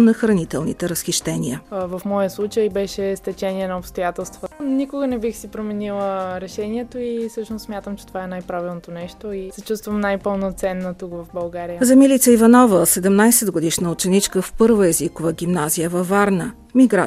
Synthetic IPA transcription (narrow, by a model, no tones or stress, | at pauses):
nɐxɾɐnit̪ɛlˠnḭt̪ɛɾəsxiʃt̪ɛniəvɐfmɔjəslˠut͡ʃəjbɛʃɛst̪ɛt͡ʃɛniɛnɐopst̪ojat̪ɛlˠst̪vənikoɡənɛbixsipɾomɛnilˠəɾɛʃɛniɛt̪oisɤʃnossmʲjat̪əmt͡ʃɛt̪ovaɛnajpɾavilˠnot̪onɛʃt̪oisɛt͡ʃust̪vɐmnajpəlˠnot̪sɛnːot̪ukvɐfbɐlˠɡaɾijəzɐmilit̪səivɐnɔvəsɛd̪ɛmnajsɛd̪ɡod̪iʃnəot͡ʃɛnit͡ʃkəfpɤɾvəɛzikovəɡ̟ʲimnazijəvɐfːaɾnə | miɡɾa